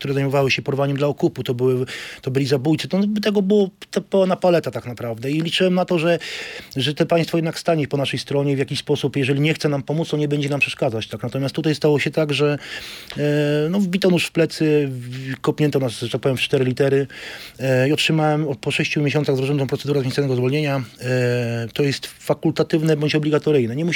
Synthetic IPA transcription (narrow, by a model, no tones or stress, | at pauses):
kt̪uɾɛzajmɔvawɘɕɛpɔɾvaɲɛmd̪laɔkuput̪ɔbɘwɘt̪ɔbɘlʲizabujt̪sɨt̪ɔnbt̪ɛɡɔbɘwɔt̪ɛpɔnapalɛt̪at̪aknapɾavd̪ɛilʲit͡ʂɘwɛmnat̪ɔʐɛʐɛt̪ɛpaj̃st̪fɔjɛd̪nakst̪aɲɛpɔnaʂɛjst̪ɾɔɲɛvjakʲiɕspɔsupjɛʐɛlʲiɲɛxt̪sɛnampɔmut̪st̪ɔɲɛbɛɲd͡ʑɛnampʂɛʂkad̪zat͡ɕt̪aknat̪ɔmʲjast̪ːut̪̬ajst̪awɔɕɛt̪aɡʐɛ | nɔvbʲit̪ɔnuʂfplɛt̪sɘ | kɔpʲɲɛnt̪ɔnasʐɛt̪ak̚pɔvjɛmft͡ʂt̪ɛɾɘlʲit̪ɛɾɘ | iɔtʂɘmawɛmpɔʂɛɕt͡ɕumʲeɕ̬ɔnt̪saɣzɾɔʐɛnt̪ɔ̃mpɾɔt̪ɛd̪uɾɛzvʲẽsanɛɡɔzvɔlɲeɲa | t̪ɔjɛst̪fakult̪at̪ɘvnɛbɔɲt͡ɕɔblʲiɡat̪ɔɾɘjnɛɲɛmuɕ